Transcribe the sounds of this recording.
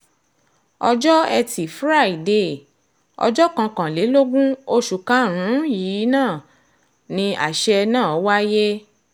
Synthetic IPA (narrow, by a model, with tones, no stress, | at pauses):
ɔ˧d͡ʒɔ˦ɛ˧ti˨fɾa˦˨i˨de˨ | ɔ̰˧d͡ʒɔ˦kã˧kã˨le˨˦lo˦ɡũ˦o˦ʃu˨kã˨˦ɾ̃ũ˨˦jiː˨˦nãː˦˨ | nĩ˧a˨ʃɛ˦˧nãː˦˨ɔ˨˦wa˦je˦